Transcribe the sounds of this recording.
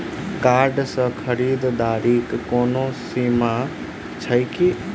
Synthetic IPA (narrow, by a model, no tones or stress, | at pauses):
kaɾɖsə̃kʰəɾid̪d̪aɾikːoːnosima | t͡ʃʰəjki